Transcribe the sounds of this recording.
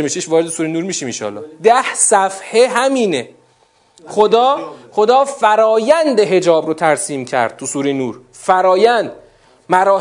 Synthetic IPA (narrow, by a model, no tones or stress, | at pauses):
miʃeʃvɒːɾeesuːɾinuːɾmiːʃiːminʃɒ̰lːɒ̰ːhd̪æhsæfheɦæmiːne | χod̪ɒːχo̞d̪ɒːfæɾɒːjænd̪eɦe̞d͡ʒɒːbɾot̪ʰæɾsiːmcʰæ̰ɾd̪̥̚t̪ʰusuːɾinuːɾ | fæɾɒːjænd̪̥ | mæɾɒː